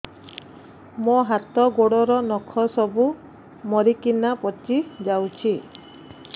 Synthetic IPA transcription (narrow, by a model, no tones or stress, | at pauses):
moɦat̪ɔɡoɽɔɾɔnɔkʰɔsɔbu | mɔɾikinapɔt͡ʃid͡ʒawt͡ʃʰi